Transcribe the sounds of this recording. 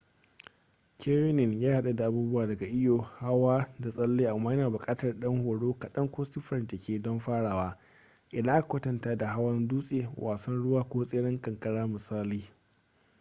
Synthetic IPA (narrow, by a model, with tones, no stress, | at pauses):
kʲʰeː˦jo˦nɪ˨njaː˦ha˦ɗa˨da˨ʔa˨buː˦bʊ˦waː˨dɐ˨ɡa˨ʔɪ˦joː˨ha˦waː˦da˨sʼɐ˦lːeː˦ʔa˨mːaː˦jɐ˦naː˨bʊ˨kʼaː˦tɐ˨rɗɐ˦ŋhoː˨ɽoː˦kɐ˨ɗɐ˦ŋkʷoː˦si˦ɸɐ˨nte˨kʲeː˦dɔ˦mɸaː˦ɽaː˨waː˦ | ʔɪ˨dɐ˦ʔa˦ka˨kʷʊ˦tɐ˨ntaː˦da˨ɦa˦wɐ˦nduː˦sʼeː˨wʔaː˨sɐ˦nɽʊ˦waː˦kʷoː˦sʼeː˦ɽɪ˦ŋkʼɐ˨ŋkʼɐ˦ɽaː˦mɪ˨saː˦liː˦